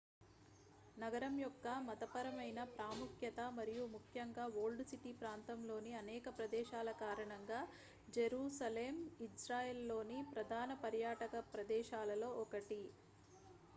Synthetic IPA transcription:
nɐɡɐɾɐmjɔkːɐmɐt̪ɐpɐɾɐmɐjnɐpɾaːmukʰjɐt̪ɐmɐɾijumukʰjɐŋɡaːʋoːlɖsiʈipɾaːnt̪ɐmlo̞ːniɐnɛːkɐpɾɐd̪ɛːʃaːlɐkaːɾɐɳɐŋɡaː | d͡ʒeɾuːsɐleːmisɾaːjelːo̞ːnipɾɐd̪ʱaːnɐpɐɾjaːʈɐkɐpɾɐd̪ɛːʃaːlɐlo̞ːʔɔkɐʈi

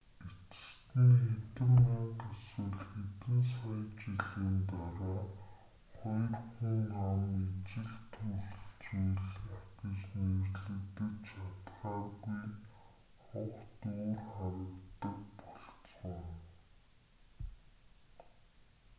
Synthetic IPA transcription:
et͡s̆t̪niːxet̪ɘ̆mnaqaswʊ̆ɮxet̪ɘ̆nsɔjt͡ɕiɮiːnt̪aɾaː | χɔjrχʊŋamet͡ɕɪ̆ɮt̪ʰɵɮt͡sujɮaɡɪ̆t͡ɕnirɮɘ̆kt̪ɘ̆t͡ɕat̪χaːɣuj | χʊχt̪oːrχaɾə̆kt̪ə̆kpɔɬt͡sʁə̆n

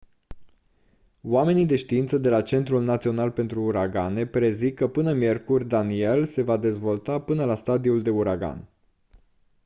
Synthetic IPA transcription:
wame̞nid̪e̞ʃt̪iint̪səd̪e̞lat͡ʃe̞nt̪ɾulnat̪sio̞nalpe̞nt̪ɾuːɾaɡane̞pɾe̞zikːəpɨnəmje̞rkurʲd̪anie̞lse̞vad̪e̞zvo̞lt̪apɨnəlast̪ad̪iuld̪e̞uɾaɡa̰n

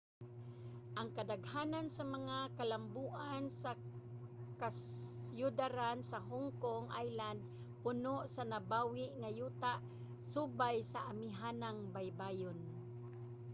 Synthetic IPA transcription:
ʔaŋkad̪aɡhanansamaŋakalambuːʔansa | kasjʊd̪aɾansaɦʊŋkoŋʔa̰jland̪̚ | pʊnoʔsanabawɪʔŋajuːt̪aʔ | subajsaʔamɪɦanaŋbajbajon

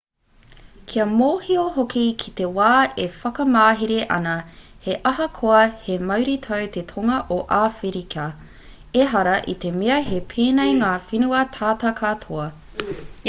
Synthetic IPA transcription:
kʰiɐmoːhioɦokikʰit̪ewaːefɐkɐmaːɦiɾeʔɐ̰nɐheʔɐɦɐkʰoɐhemɐwɾit̪ʰɐwt̪ʰet̪ʰoŋɐʔoʔaːfiɾikʰɐ | eɦɐɾɐʔit̪e̞meɐɦepʰeːnejŋaːfinuɐt̪ʰaːtɐkʰat̪ʰoɐ

